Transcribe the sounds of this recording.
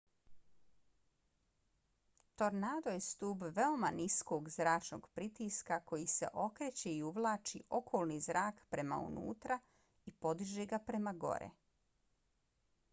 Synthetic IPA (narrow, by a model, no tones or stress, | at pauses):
t̪o̞ɾnaːd̪ojest̪uːbʋe̞o̞maniskoːɡzɾaːt͡ʃno̞̰ɡpɾit̪iskako̞jise̞̰ʔo̞kɾet͡ɕe̞iuʋlˠaːt͡ʃiʔo̞kʰoːlˠnizɾaːkpɾe̞ma̰ṵnṵːt̪ɾa | ipo̞d̪iʒeːɡapɾe̞maɡo̞̰ɾḛ